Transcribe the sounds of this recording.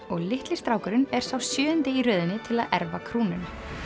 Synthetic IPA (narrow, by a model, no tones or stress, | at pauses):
ɔɣlɪht̪lɪst̪ɾaːwkʏɾʏnɛɾ̥sawsjœːʏnt̪ɪiɾœːðɪnːɪt̪ʰɪlaðɛɾvakʰɾuːnʏn